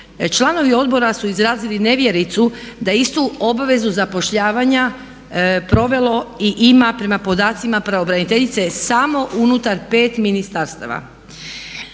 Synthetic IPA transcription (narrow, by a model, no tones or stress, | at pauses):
t͡ʃlˠano̞ʋio̞d̪bo̞ɾasuizɾaːziline̞ʋje̞ɾit̪sud̪aist̪uo̞baʋe̞zuzapo̞ʃʎaːʋaɲa | pɾo̞ʋe̞lˠo̞iʔimapɾe̞mapo̞d̪aːt̪simapɾaobɾanit̪e̞ʎit̪se̞samo̞ʔunut̪aɾpe̞ːt̪minist̪aɾst̪a̰ʋa̰